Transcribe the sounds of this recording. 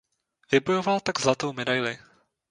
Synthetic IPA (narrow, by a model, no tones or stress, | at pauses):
vɪbojo̞valt̪aɡzlat̪o̞wmɛdajlɪ